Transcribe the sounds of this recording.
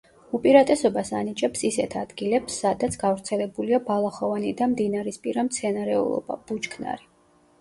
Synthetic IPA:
upʼiɾat̪ʼɛsɔbasa̰nit͡ʃʼɛpsisɛt̪ʰad̪ɡilɛpsːad̪at̪sʰɡavɾt̪sʰɛlɛbuliabalˠaχɔvanid̪amd̪inaɾispʼiɾamt̪sʰɛnaɾɛṵlˠɔ̰ba̰b̥ut͡ʃkʰna̰ɾi

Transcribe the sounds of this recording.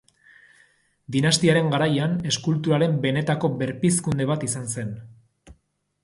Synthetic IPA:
d̪inast̪iaɾe̞ŋɡaɾajane̞skult̪uɾaɾe̞mbe̞ne̞t̪ako̞βe̞ɾpiskund̪e̞β̞at̪isanse̞n

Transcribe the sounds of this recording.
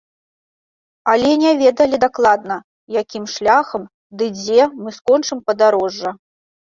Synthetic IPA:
alʲɛnʲɛvʲɛd̪ɐlʲid̪aklˠad̪̚nɐ | jakʲimʂlʲaxɐm | d̪ɨd͡zʲɛmɨskɔnt͡ʂɨmpɐd̪aɾɔʐːɐ

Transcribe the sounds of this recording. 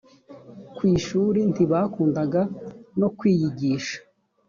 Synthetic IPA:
kwiːʃuːɾintiβakuːndaɡano̞kwiːjiɟiːʃḁ

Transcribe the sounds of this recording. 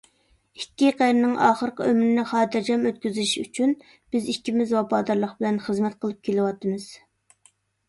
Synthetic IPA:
ikʲːiqæɾnɪŋʔɑːχəɾqəømɾɪnɪχɑːd̪ɨɾd͡ʒɑmøt̪̚kʲyzɪɪʃy̰t͡ʃʰyn | b̥ɪzikʲʰːimɪzwɑpɑːd̪ɑɾlˠəχbɪlɛnχəzmɛt̪̚qʰəlˠɨp̚kʲʰelɪwɑt̪ɨmɨz̥

